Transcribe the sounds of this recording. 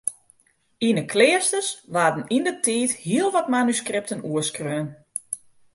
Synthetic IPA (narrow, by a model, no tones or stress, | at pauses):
inəkʰlɪəstəsʋaːdən̩indətʰiːthiəlˠʋɔtmanyskrɪp̚tənuəskrøːən